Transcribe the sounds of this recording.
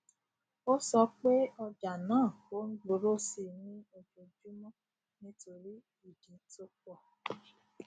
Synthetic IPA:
o˦sɔ˧k͡pe˦ɔ˧d͡ʒa˨nãː˨˦˨ko˨˦n̩˦ɡ͡bo˧ɾo˦si˧nĩ˦o˧d͡ʒo˨d͡ʒu˦mɔ̃˦ | nĩ˦to˧ɾi˦ | i˦˨dĩ˨to˦k͡pɔ˦˨

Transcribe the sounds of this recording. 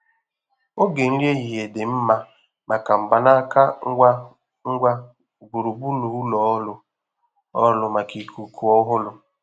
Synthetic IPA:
o˦ɡe˨n̩˦lje˦ɦi˨ɦe˨dɪ˨m̩˦ma˦ | ma˨ka˨m̩˨ba˨na˦ka˦a˦ | ŋ̩˦ɡʷa˦˨ | ɡu˨ɾu˨bu˦nu˨˦u˦lɔ˨ɔ˦lʊ˦ | ɔ˦lʊ˨ma˨ki˨kʰu˨kʰu˨ɔ˦ɦʊ˦lʊ˦

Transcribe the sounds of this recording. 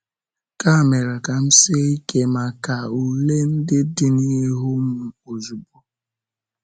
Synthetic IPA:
ka˦˨me˨ɾa˨ka˨m̩˦sɪ˦i˦ke˦ma˨ka˨u˨le˦n̩˦dɪ˦dɪ˦ni˦ɦʊ˦m̩˦˨o˨zu˨bo˨

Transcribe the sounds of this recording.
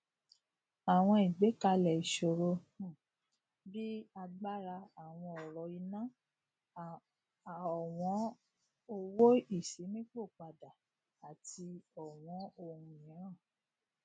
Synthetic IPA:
a˨w̃ɔ̃˧i˨ɡ͡be˨˦ka˧lɛ˨i˨ʃo˨ɾo˧ | ũ˨ | bi˦a˧ɡ͡ba˦ɾa˧a˨w̃ɔ̃˧ɔ˨ɾɔ˨i˧nã˦˨ | ɔ˨w̃ɔ̃˨˦ | o˧wo˦i˦˨si˨˦mĩ˦k͡po˦˨a˨da˨ | a˨tʰi˧ɔ˨w̃ɔ̃˨˦o˧˨ɾũ˦ĩ˨˦ɾã˦˨

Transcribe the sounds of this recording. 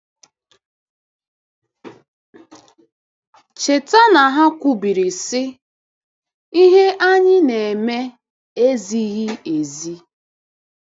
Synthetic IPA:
t͡ʃe˨ta˦na˨ɦa˦kʷu˦bi˨ɾi˨sɪ˦ | i˦ɦe˦ʔa˦ɲɪ˦ne˨e˨me˦ | e˦zi˦ɣi˦e˨zi˦

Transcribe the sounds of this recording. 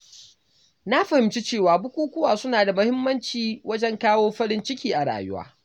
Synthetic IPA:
na˦ɸɐ˨hɪ˨mt͡ʃi˦t͡ʃeː˦˨waː˨bʊ˦kʷuː˦kʷʊ˦waː˨sʊ˦naː˨da˨mʊ˦hɪ˦mːɐ˦nt͡ʃiː˨wɐ˦d͡ʒɛ˦ŋkaː˦woː˦ɸɐ˦ɽɪ˦nt͡ʃɪ˦kʲiː˨ʔa˨ɽa̰ː˨jʊ̰˦wa̰ː˦

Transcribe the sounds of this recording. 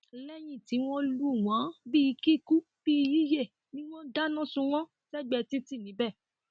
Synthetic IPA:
lɛ˦j̃ĩ˦˨ti˨˦w̃ɔ̃˦lu˦˨wã˨˦bi˦˨˧ki˦ku˦ | b̥i˦˧ji˦je˦˨ | nĩ˦w̃ɔ̃˦da˦nã˦sũ˧w̃ɔ̃˦ | sɛ˦ɡ͡bɛ˧ti˦ti˦˨nĩ˨˦bɛ˦˨

